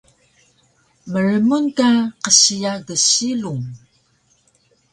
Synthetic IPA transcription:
məɾəmunkaqəɕijaɡəɕiluŋ

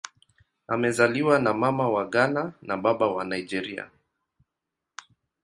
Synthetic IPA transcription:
amɛzaliwanamamawaɠananaɓaɓawanajd͡ʒɛɾia̰

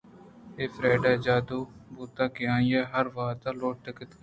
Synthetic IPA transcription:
eːfɾɛːɖaːd͡ʒaːd̪oːbuːt̪aːkɪjãːjaːɦəɾʋaːt̪aloːʈ̚ʈ̪əkət̪k

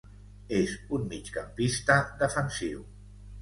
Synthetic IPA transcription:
ezunmit͡ʃkampist̪əd̪əfənsiw

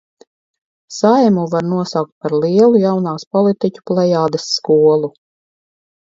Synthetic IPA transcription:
sajmuvaɾnuɔsawk̚t̪̚paɾlˠiɛlˠujawnaːspɔlˠit̪icʲu̥plˠɛjaːd̪esːkuɔlˠu

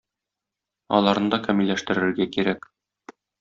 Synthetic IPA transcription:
ɒ̰lˠɑɾnɤd̪ɒkæmilːæʃt̪ɘ̆ɾɘ̆ɾɡækiɾæk

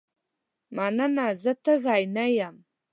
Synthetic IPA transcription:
maːnɐnaːzɐtʰɐɣaːjnɐjam

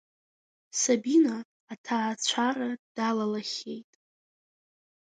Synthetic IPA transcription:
sabinaː | tʰaːt͡ɕʷʰarad̥alalaχʲe̞jtʼ

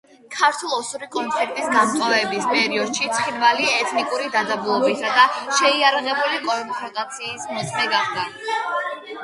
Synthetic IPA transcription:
kʰaɾt̪ʰulˠɔsuɾikʼɔnt̪sʰɛɾt̪ʼisɡant̪ʼavɛbispʼɛɾiɔd̪̥ʃit̪sʰχinvaliɛt̪ʰnikʼuɾid̪ad̪zabulˠɔbbisad̪aʃɛiaɾaʁɛbulikʼɔmpʰɔɡ̪ʼat̪sʰiːsmɔt̪sʰʼmɛɡaχd̪a

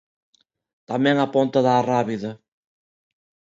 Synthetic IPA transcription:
t̪amɛ̃ŋapont̪ɐðaːraβiðɐ

